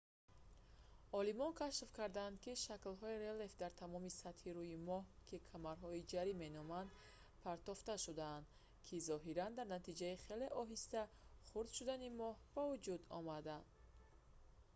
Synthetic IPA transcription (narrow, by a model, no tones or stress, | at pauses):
ɔlimɔnkʰaʃfkaɾd̪aːnd̪kiʃaklɦɔiɾelefd̪aɾt̪ʰamɔmisat̪hiɾujimɔhkʰikʰamaɾɦɔid͡ʒaɾime̞nɔmand̪ | pʰaɾt̪ɔft̪aʃud̪aːnd̪ | kʰizɔɦiɾand̪aɾnat̪ʰid͡ʒaiχe̞le̞ʔɔɦist̪a | χuɾd̪̥ʃud̪animɔhb̥avud͡ʒud̪ɔ̰mad̪an